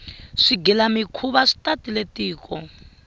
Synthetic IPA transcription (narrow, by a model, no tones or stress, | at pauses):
ʂiɡilamikʰuβaʂi̥tatiletʼiːkʼɔ